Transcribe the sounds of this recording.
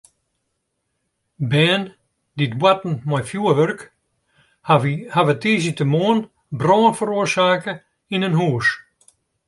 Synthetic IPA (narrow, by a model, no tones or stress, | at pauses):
bɛːn | ditwatn̩mɔjfjuəʋørk | havətiːsitəmoːən | brɔːnfəɾuərsaːkə | inənɦuːəs